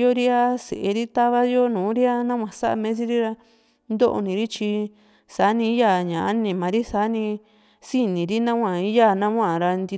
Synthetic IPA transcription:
o˦ɾi˦a˦sḛ˨ʔe˧ɾi˦t̪a˦βa˦jo˦nũː˨˦ɾi˦a˦nã˦wʷã˨sa˦ʔa̰˧mẽ˦s̬i˦ɾi˦ɾa˧ | nd̪o˦ʔo̰˧nĩ˨˧ɾi˦t͡ʃi˧ | saː˨˦nĩ˧˦ja˦˨ɲã˨a˦nĩ˧˨mã˨ɾi˦sa˨˦nĩ˧ | si˦nĩ˨ɾi˦nã˦wʷã˨i˦ja˦˨nã˦ã˦˨ɾa˧nd̪i˧

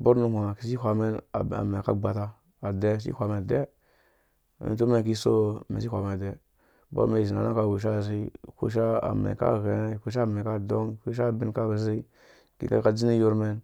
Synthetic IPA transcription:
bo˦ɾnu˦hʷa˨ki˨˦s̬i˦xʷa˨me˦n˨a̰˨me˨a̰˦ɡ͡ba˨ta˦ | a˨de˦s̬ḭ˦hʷa˨me˨de˦ | mḭ˨n˦to˦me˦˨k̬i˦so˦˨mḛ˨si˦hʷa˨me˨de˦ | bo̰˦me˨zi˨na̰˨no˦ka˦wu˨ʃ̬a˦˨s̬i˦kṵ˦ʃ̬a˦a̰˨mḛ˨ka̰˦˨ɣe˨ne˦˨kʷu˦ʃ̬a˦˨me˨ka˦do˦ŋkʷu˦ʃ̬a˦˨bi˨nka˦bə˨zi˦ | kḭ˨ka̰˦ka˦d͡zi˦ni˦ju˦ɾme˦n

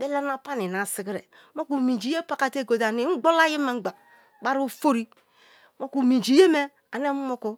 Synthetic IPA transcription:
de˦la˦na˦pa˦ni˨na˨si˨ɡi˦ɾḛ˨ | mo˦ku˨mi˨d͡ʒi˨je˦pa˨ka˦te˦˨ɡo˨da˨ni˨˦ɡ͡bo˦la˦ji˦me˨ŋ͡m̩˦ɡ͡ba˨ | k͡pa˦ɾu˦˨fo˦ɾi˦ | mo˦ku˨mi˨d͡ʒi˨je˦me˦ | a˨ne˦m˦mo˦ku˦

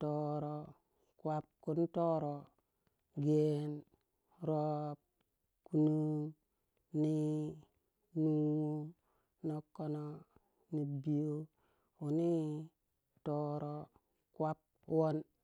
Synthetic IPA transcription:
to˨ɾo˨ | kwa˦p̚ku˦nto˦ɾo˨ | ɡe˦n | ɾo˦p̚ | ku˨nu˦ | ni˦ | nu˦wu˦ | no˨kːo˦no˦ | ni˨bi˨jo˦ | u˨ni˦ | to˨ɾo˨ | kwa˦p̚ | wo˦n

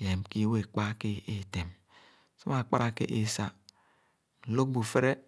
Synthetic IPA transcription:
je˨mki˦we˨k͡pa˦ki˦e˨te˨m | so˦ma˨k͡pa˦ɾa˦kḛ˦ʔe˦˨sa˨ | n̩˨lo˦k̚bu˨fe˦ɾe˦

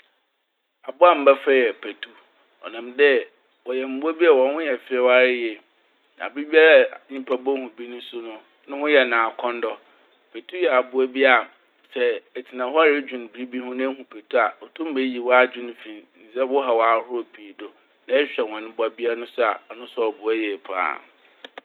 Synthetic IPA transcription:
a˨bʊ˦a˦˨m̩˦bɛ˦fɛ˦jɛ˨pʰe˨tʰu˦ | ɔ̰˨nã˨mdɛ˦ | wɔ˨jɛ˨m̩˨˦bʊ˦a˦bi˦a˨wɔ̃˨n˦hʊ̃˦jɛ˨fɪ˦ɛ˦wa˦ɾɪ˦jɛ˨ | nã̰˨bi˦bi˦a˦ɾa˦ɲĩ˦pʰa˦bɔ˦hũ˨bi˦nʊ̃˦sʊ˦nʊ̃˦ | nʊ̃˦hʊ̃˦jɛ˨nãː˨kʰɔ̃˦n˦dɔ˦ | pʰe˨tʰu˦jɛ˨a˨bʊ˨e˦bi˦a˨ | sɛ˦ɛ˨tʰi˨nã˨hʊ˦a˦ɾe˦d͡ʑᶣũ˨n˨bi˨ɾi˦bi˦hʊ̃˦nʊ̃˦hũ˨pʰe˨tʰu˦a˨ɔ˨tʰʊ̃˦m˦e˦ji˨wɔ˦a˦d͡ʑᶣɪ̃˦ñ˦fĩ˨nn̩˨sɛ˦wʊ˦ɦa˨wɔ˨a˨ɾʊ˦o˦pʰi˨do˨ | nã˦ɛ˦ɕᶣɛ˨wɔ̃˨nɪ̃˦bʊ˦a˦bi˦a˦nʊ̃˦sʊ˦a̰˨ɔ˨nʊ̃˦sɔ˦ɔ˨bʊ˨ɛ˦jɛ˨pʰa̰˦˨

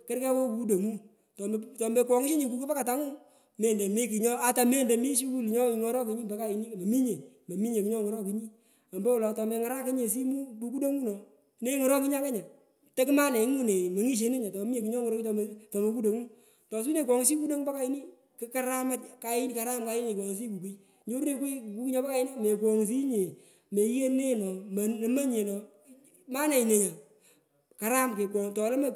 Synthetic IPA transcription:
kɪ˦ɾkɛ˦ko˦ku˦do˨ŋu˦ | tɔ˨tɔ˨mbɛ˨kwɔ˨ŋi˦ʃe˦ɲi˨ku˨ki˦pa˦ka˨ta˦ŋʊ˦ | me˦˨de˨me˦ki˨ɲɔ˦a˨ta˨me˦˨ndɛ˨mi˦ʃi˦ku˦lɲɔ˦˨ŋɔ˦ɾɔ˦ki˨ɲi˦ba˨˦ka˦i˨ni˦˨me˨mi˦ɲe˨me˨mi˦ɲe˨ki˦ɲɔ˦ŋɔ˨ɾɔ˦ki˨ɲi˦ | a˨mbɛ˦wɔ˨lɔ˨tɔ˨mɛ˨ŋa˦ɾa˦kɪ˦ɲe˨s̬i˦mu˦bu˨ku˦do˦ŋu˦nɔ˨ | ne˦ŋɔ˨ɾɔ˦ki˦ɲa˦kɛ˦ɲa˨ | te˦kɪ˦ma˦ne˨˦ŋu˦ne˨me˨ŋi˦ʃ̬e˨˦ne˦ɲa˨tɔ˨˦m˦e˨ki˨ɲɔ˦ŋ˨ɾɔ˦ki˦tɔ˨m˦tɔ˨mo˨ku˦do˨ŋu˦ | tɔ˨s̬i˦ne˨k̬ɔ˨ŋ˦si˦ku˦do˦ŋba˦ka˨i˦ni˦ | kɪ˦ka˦ɾa˦ma˦tka˨ɪ˦ni˦ka˨ɾa˦mka˨˦ɪ˦ne˨kɔ˨ŋ˨s̬i˦ku˨ki˦ | ɲo˦ɾne˨kʷwi˦˨ku˦ki˦ɲɔ˦ba˦ka˨i˦nɔ˦me˨kɔ˨ŋs̬i˦ɲe˨ | me˨˦e˦ne˦nɔ˨m˨ma˦ɲe˨nɔ˨ | ma˦ne˨i˨ne˨ɲa˨ | ka˨ɾa˦mke˨kʷɔ˨ŋtɔ˨le˦ma˦

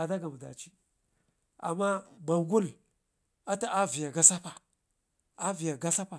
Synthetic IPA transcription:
a˨da˦ɡa˨mu˨da̰˨t͡ʃi˦ | a̰˨mːa˦ba˨ɡu˦l | a˦ta˨ʔa˦vi˨ja˨ɡa˦sa˦pa˨ | a˦vi˨ja˨ɡa˦sa˦pa˨

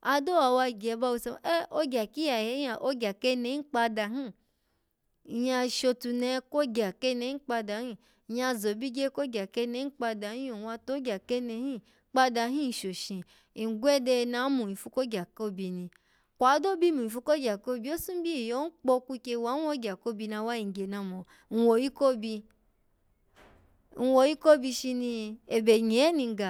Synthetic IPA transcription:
a˧do˦wa˧wa˧˨ɡɛ˨˧ba˧wo˧se˧˨ʔɛ˦o˧˦ɡʲa˨ki˦ja˨jɛ˨˦a˨ʔo˧ɡʲa˨ke˦nɛ˧˦i˦k͡pa˧da˨ɦĩ˦˨ | ja˧ʃo˧tu˧nɛ˧˦ko˦ɡʲa˨ke˦˧nɛ˧˦ĩ˦k͡pa˧da˨hĩ˦˨ | ja˧zo˨bi˦ɡe˦ko˦ɡʲa˨ke˧nɛ˧˦k͡pa˧da˨hĩ˦jo˨wa˧to˨˦ɡʲa˨ke˦nɛ˧˦hĩ˦ | k͡pa˧da˧ɦĩ˦n̩˨ʃo˨ʃĩ˨ | i˨ɡʷɛ˦dɛ˧nã˨˦mũ˨i˨fu˧˦ko˦ɡʲa˨ko˦bi˧nĩ˧ | kʷa˨˦do˦bi˦mũ˨i˨fu˧ko˦ɡʲa˨ko˦bi˧˦o˦sũ˦bi˦˨jo˨˦n̩˦k͡pɔ˧ku˧ke˧wa˨˦n˦wo˧˦ɡʲa˨ko˦bi˧na˧wa˦i˨ŋ˨ɡe˨na˧mɔ̃˨ | n̩˧wo˨ji˦ko˦bi˧ | n̩˧wo˧ji˦ko˦bi˧ʃi˧nĩ˧e˨bɛ˨ɲi˨ɛ˦nĩ˧ɡa˨

